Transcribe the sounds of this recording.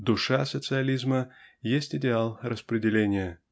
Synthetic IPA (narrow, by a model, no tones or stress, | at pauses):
d̪ʊʂasət̪sɨɐlʲizməjesʲtʲɪdʲɪalˠrəspɾʲɪdʲɪlʲenʲɪjə